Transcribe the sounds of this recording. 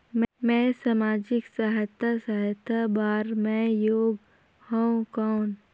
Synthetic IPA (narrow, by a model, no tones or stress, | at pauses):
mmɛ̃ːsaːmaːd͡ʒɪksaɦət̪asaɦət̪ʰabaːɾmɛ̃joːɡ | hãũkaːn